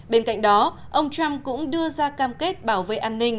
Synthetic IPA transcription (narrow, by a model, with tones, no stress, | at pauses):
ɓe˧nka̰˧˨jŋ̟ɗɔ˨˦ʔə˧wŋ͡mt͡ɕa˧mkʊ̰˧˥ŋ͡mɗɨ˧əzaː˧kaː˧mke˦˥t̚ɓaː˧˩wvḛ˧˨ʔaː˧nːï˧ŋ̟